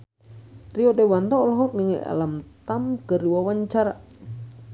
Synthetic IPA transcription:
riɔdɛwant̪ɔɔlɔɦɔk̚niŋia̰lamt̪amkəruwawaɲt͡ʃaɾa

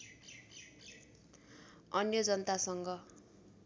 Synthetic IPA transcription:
ʌnjʌd͡zʌnʌt̪asʌŋɡʌ

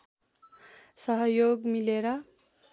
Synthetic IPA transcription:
sʌɦʌjoɡmileɾʌ

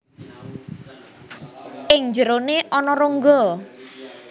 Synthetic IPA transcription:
ʔɪŋɲd͡ʒəɾoneʔɔnɔɾoŋɡɔ

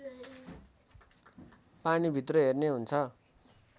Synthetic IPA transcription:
panibʱit̪rʌɦerneɦunt͡sʰʌ

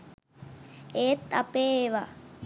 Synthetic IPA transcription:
eːt̪ːapeːeʋa

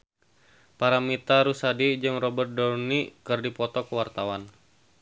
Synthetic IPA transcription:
paɾamit̪aɾusadid͡ʒɨŋrɔbərt̪̚dɔrnikɨrdipɔt̪ɔkəwart̪awan

